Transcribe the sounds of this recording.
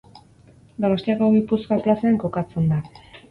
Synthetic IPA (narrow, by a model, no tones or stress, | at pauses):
d̪o̞no̞st̪iako̞ɣipuskaklaseaŋko̞kat͡se̞nd̪a